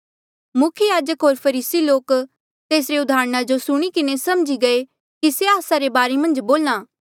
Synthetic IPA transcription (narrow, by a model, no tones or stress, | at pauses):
mʊkʰjəjaːd͡ʒəkɦoːɾpʰɐɾiːsiloːk | t̪eːsɾeʊd̪ʱaːɾñad͡ʒosʊɽ̃ikɪnesɐmd͡ʒiɡɐe | kiseaːsaɾebaːɾemɐ̃nd͡ʒboːlnãː